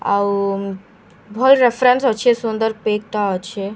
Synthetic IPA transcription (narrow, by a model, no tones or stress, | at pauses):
a̰w | bʱɔlɾefɾensət͡ʃʰesund̪əɾpek̚t̪aət͡ɕʰe